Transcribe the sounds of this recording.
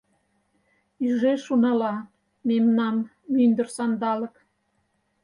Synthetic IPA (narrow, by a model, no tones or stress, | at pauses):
yʒeʃunɑlɑ | memnɑmː | ynd̪ə̆rsɑnd̪ɑlə̆k